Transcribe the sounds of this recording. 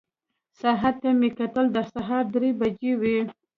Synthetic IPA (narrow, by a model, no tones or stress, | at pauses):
saɦat̪ːamekat̪əld̪əsaɦɑɾd̪ɾebad͡ʒewi